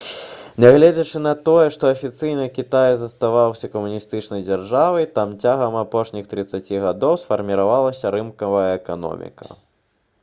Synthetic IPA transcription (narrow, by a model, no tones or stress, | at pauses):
nʲaɣlʲɛd͡zʲɐt͡ʂɨnɐt̪ɔjɛʂt̪ɔɐfʲit̪sɨjnɨkʲit̪ajzɐst̪avawsʲɐkɐmunʲist̪ɨt͡ʂnɐjd͡zʲarʐavɐjt̪amt͡sʲaɣɐmapɔʂnʲixt̪ɾɨt̪sːat͡sʲiɣad̪ɔwsfɐrmʲiɾavalˠɐsʲɐɾɨmkɐvɐjɐɛkanɔ̰mʲḭkɐ̰